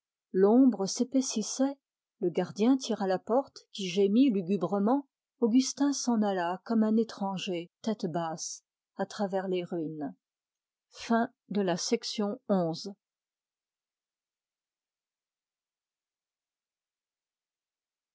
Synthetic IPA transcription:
lɔ̃bʁəsepesisɛ | ləɡaʁd̪jɛ̃t̪ʰiʁalapɔʁt̪kʲiʒemilyɡʲybʁəmɑ̃ | oɡʲyst̪ɛ̃sɑ̃nalakɔmɛ̃net̪χɑ̃ʒet̪ɛt̪bas | at̪χavɛʁleʁin | fɛ̃ | d̪əlasɛksjɔ̃ɔ̃z

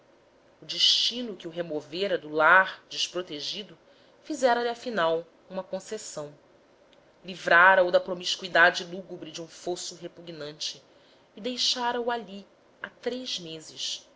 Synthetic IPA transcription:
ʊd͡ʒiʃt͡ʃĩnʊkɪuɦemoveɾɐd̪ʊlaɾd͡ʒiʃpɾot̪eʒid̪ʊ | fizɛɾɐliafinaw | ũmɐkõsesɐ̃w̃ | livɾaɾɐud̪ɐpɾomiʃkuid̪ad͡ʒɪluɡubɾɪd͡ʒiũfosuɦepuɡnɐ̃nt͡ʃɪː | d̪ejʃaɾɐuali | at̪ɾejzmezɪʃ

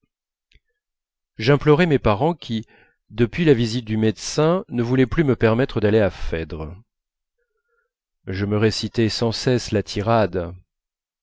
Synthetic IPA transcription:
ʒɛ̃plɔʁɛmɛpaʁɑ̃kʲi | d̪əpɥilavizit̪̚d̪ymɛd̪sɛ̃nəvulɛplyməpɛʁmɛt̪χəd̪aleafɛd̪ʁə | ʒəməʁesit̪ɛsɑ̃sɛslat̪ʰiʁad̪

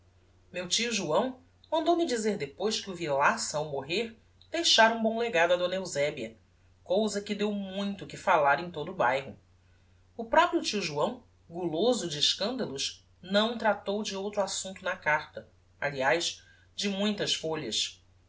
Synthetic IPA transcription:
mewt͡ʃiuʒuɐ̃w̃ | mɐ̃nd̪owmɪd͡ʒizeɾd̪epojʃkɪʊvilasɐawmoɦeɾ | d̪̥ejʃaɾũbõleɡad̪ʊɐd̪õnɐewzɛbiɐ | kowzɐkɪd̪ewmũj̃t̪ʊkɪfalaɾẽj̃t̪od̪ʊːbajɦʊ̰ | ʊpɾɔpɾiʊt͡ʃiuʒuɐ̃w̃ | ɡulozʊd͡ʒɪːʃkɐ̃nd̪ɐlʊʃ | nɐ̃w̃t̪ɾat̪owd͡ʒɪowt̪ɾuasũnt̪ʊnɐkaɾt̪ɐ | aliajʃ | d͡ʒɪmũj̃t̪ɐʃfoʎɐʃ

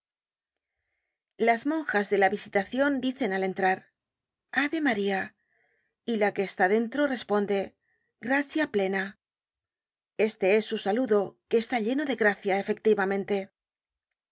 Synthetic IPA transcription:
lazmõ̞ŋxazðe̞laβisit̪aθjo̞nd̪iθe̞nale̞nt̪ɾaɾ | aβe̞maɾia | ilake̞ːst̪aðe̞nt̪ɾo̞re̞spo̞nd̪e̞ | ɡɾaθjaple̞na | e̞st̪e̞e̞sːusaluðo̞ke̞ːst̪aʎe̞no̞ðe̞ɣɾaθjae̞fe̞k̚t̪iβamẽ̞nt̪e̞

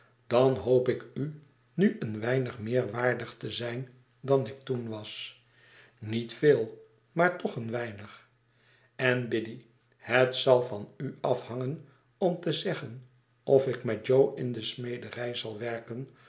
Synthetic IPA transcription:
d̥ɑnɦowpɪky | nyʔənʋɛjnəχmɪːɹʋaːɹdəχtəzɛjn | dɑnɪk̚tunʋɑs | nitfeːlˠ | maːɹtɔχənʋɛjnəχ | ɛnbɪdi | hətsɑlˠvɑnyɑfhɑŋən | ɔmtəzɛχən | ʔɔfɪkmɛt̚d͡ʒowɪndəsmejdərɛjzɑlˠʋɛɹkən

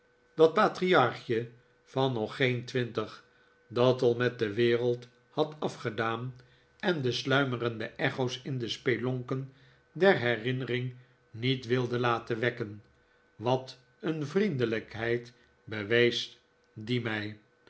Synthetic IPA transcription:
d̥ɑt̚paːtriɑɹχjə | fɑnːɔχejntʋɪntəχ | dɑtɑlˠmɛt̚dəʋɪːrəlˠt | hɑtɑfχədaːn | ɛndəslœɥmərəndəʔɛχowsɪndəspelɔŋkən | dɛɹɦɛrɪnərɪŋ | nitʋɪlˠdəlaːtəʋɛkən | ʋɑt | ənvrindələkɦɛjt | bəʋejs | dimɛj

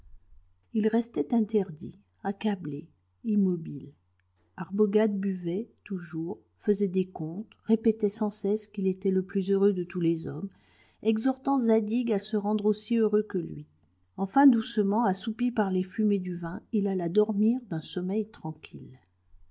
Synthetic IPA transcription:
ilʁɛst̪ɛt̪ɛ̃t̪ɛʁd̪ḭ | akable | imɔbil | aʁbɔɡad̪̚byvɛt̪uʒuʁ | fəzɛd̪ekɔ̃t̪ʁepɛt̪ɛsɑ̃sɛskilet̪ɛləplyzøʁød̪ət̪ulezɔm | ɛɡzɔʁt̪ɑ̃zad̪iɡasəʁɑ̃d̪ʁosiøʁøkəlɥḭ | ɑ̃fɛ̃d̪usəmɑ̃asupipaʁlefymed̪yvɛ̃ilalad̪ɔʁmiʁd̪ɛ̃sɔmɛjt̪χɑ̃kʲʰil

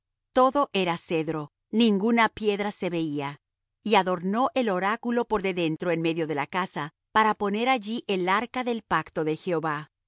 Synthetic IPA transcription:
t̪o̞ðo̞ʔe̞ɾase̞ðɾo̞ | nĩŋɡunapje̞ðɾase̞βe̞ia | iaðo̞ɾno̞ʔe̞lo̞ɾakulo̞po̞ɾðe̞ðe̞nt̪ɾo̞enme̞ðjo̞ðe̞lakasa | paɾapo̞ne̞ɾaʝiʔelaɾkaðe̞lpakt̪o̞ðe̞xe̞oβa

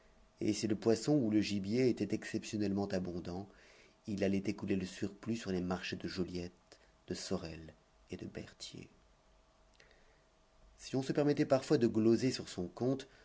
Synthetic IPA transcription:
ḛsiləpwasɔ̃uləʒibjeːt̪ɛt̪ɛksɛpsjɔnɛlmɑ̃t̪abɔ̃d̪ɑ̃ | ilalɛt̪ekuleləsyʁplysyʁlemaʁʃd̪əʒoljɛt̪ | d̪̥əsɔʁɛl | ed̪əbɛ̰ʁt̪jḛ | siɔ̃səpɛʁmɛt̪ɛpaʁfwad̪əɡlozesyʁsɔ̃kɔ̃t̪

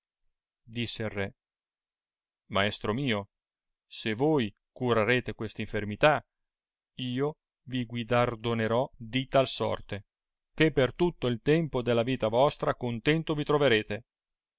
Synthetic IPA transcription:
d̪isːeilrɛ | maɛst̪ɾomiːo | sevoj | kuɾaɾeːt̪ekwest̪aĩɱfermit̪a | iːo | viɡwid̪ard̪oneɾɔd̪it̪alsɔ̰rt̪e | kepːert̪ut̪ːoilt̪ɛmpod̪elːaviːt̪avɔst̪ɾakont̪ɛnt̪ovit̪ɾoveɾeːt̪e

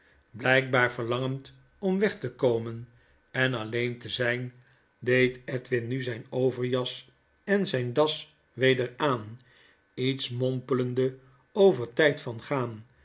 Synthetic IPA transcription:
blɛjk̚baːɹvəɹlɑŋənt | ɔmʋɛχtəkowmən | ɛnɑlejntəzɛjn | dejtɛtʋɪnnyzɛjnowvəɹjɑs | ɛnzɛjndɑs | ʋejdəɹaːn | itsmɔmpələndə | owvəɹtɛjtfɑnχaːn

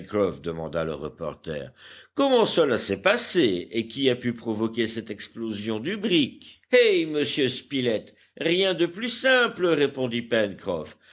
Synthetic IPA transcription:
kχɔfd̪əmɑ̰̃d̪alə̰ʁə̰pɔ̰ʁt̪ɛ̰ːʁkɔmɑ̃səlasɛpaseekʲiapypχɔvɔkʲesɛt̪ɛksplozjɔ̃d̪ybʁik | ɛjməsjøspilɛt̪ | ʁjɛ̃d̪əplysɛ̃pləʁepɔ̃d̪ipɛnkχɔ̰f

